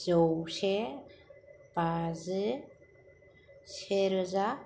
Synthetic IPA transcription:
zɔwse | b̥azɯ | seɾɯza

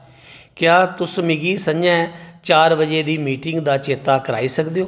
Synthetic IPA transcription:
kjaːt̪ʊsmɪɡiːsəd͡ʒɛ̃ːt͡ʃaːɾʋəd͡ʒeːd̪iːmiːʈɪŋɡd̪aːt͡ʃeːt̪aːkəɾa̰ːiːsəkd̪eoː

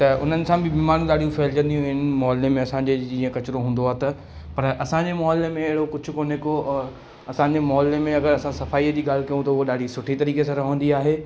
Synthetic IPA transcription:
t̪ɐʊ̰n̤ənɪ̆sãbɪbiːmaːɾũɗaːɽ̤ijũfɐːɪld͡ʑɐ̃nd̪iɦũɦɪnmɔːlːemẽɐsãɲd͡ʑed͡ʑĩːə̃kɐt͡ɕɪɾoɦũːnd̪oaːɦt̪ɐ | pɐɾʔɐsãɲd͡ʑemɔːlːemẽɐɦɪɽokʊd͡ʑʱʊ̆koːnekoɔː | ɐsãɲd͡ʑemɔːlemẽɐɡəɾɐsãsɐfaːiːəd͡ʑiːɠaːlkɐjũt̪ɐʊɦoɗaːɽ̤ʱisʊʈʰit̪ɐɾiːkesãːɾɐɦə̃nd̪iaːɦeː

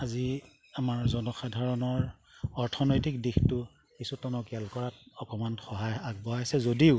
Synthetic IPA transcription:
azi | amaɹzɔnɔxadʱaɹɔnɔɹ | ɔɹtʰɔnɔjtikdixtʊ | kisutɔnɔkɛlkɔɹat̚ɔkɔmanxɔɦajaɡ̚bɔaasɛzodiʊ

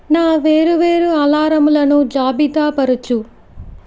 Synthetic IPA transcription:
naːʋeːɾuʋeːɾuɐlaːɾɐmulɐnud͡ʒaːbit̪aːpɐɾut͡ʃu

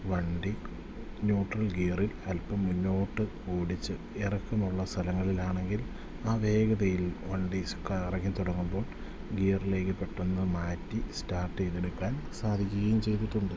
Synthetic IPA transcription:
ʋɐɳɖi | njuːʈrɐlɡiːɐrilɐlpːɐmːunːo̞ːʈːɨkuːɽit͡ɕːɨ | erɐkːɐmuɭːɐst̪ʰɐlɐŋːɐɭilaːɳe̞ŋɡil | aːʋe̞ːɡɐðɐjilʋɐɳɖisukːairɐkːɐmt̪uɽɐŋːumbo̞ːɭ | ɡiːrile̞ːkːɨpːe̞ʈːunːɐmaːtːistaːrʈːejt̪ːeɽukːaːnsaːd̪ʱikʲːuɣɐjumt͡ɕe̞jt̪iʈːuɳɖɨ

